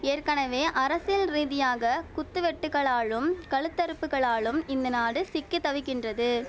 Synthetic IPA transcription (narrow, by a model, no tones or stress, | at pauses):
eːrkɐɳɐʋeːʔɐɾɐsɪlriːðɪjaːɣɐkʊt̪ːɯʋɛʈːɯɣɐɭaːɭɯmkɐɭɯt̪ːɐɾɯpːɯɣɐɭaːɭɯmɪnd̪ɐnaːɽɯsɪkːɯt̪ːɐʋɪkːɪndrɐðɯ